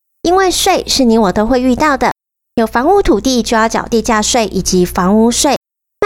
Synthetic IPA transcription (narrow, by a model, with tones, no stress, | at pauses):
i˥nwe˥˧ɪʂwe˥˧ɪʂɻ̩˥˩ni˧˥wɔ˨˩t̪o˥ʊxwe˥˧ɪy˥˧t̪ɑ˥˩ʊd̪ə˩ | jo˨˩ʊfɑ˧˥ŋu˥t̪ʰu˨˩t̪i˥˧t͡ɕjo˥˧ʊjɑ˥˩ʊt͡ɕjɑ̰˨˩ʊt̪i˥˧t͡ɕja˥˧ʂwe˥˩ɪʔi˨˩t͡ɕi˧˦fɑ˧˥ŋu˥ʂwe˥˩ɪ